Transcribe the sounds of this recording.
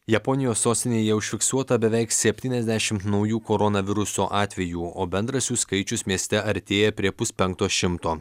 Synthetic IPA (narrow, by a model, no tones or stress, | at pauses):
jɛpɔnʲɪjoːsːoːsʲt̪ʲɪnʲeːjɛʊʃʲfʲɪksuɔt̪ɐbʲɛʋʲɛɪksʲɛpʲt̪ʲiːnʲɛzʲd̪ʲæʃʲɪmt̪nɒʊjuːkoɾɔnɐʋʲɪɾʊsoːʔɑːt̪ʲʋʲɛjuːoːbʲɛnd̪ɾɐsʲuːskɐɪt͡ʃʲʊsmʲiɛsʲt̪ʲɛɐɾʲt̪ʲeːjɛpʲɾʲiɛpʊspʲɛŋk̚t̪oːʃʲɪmt̪oː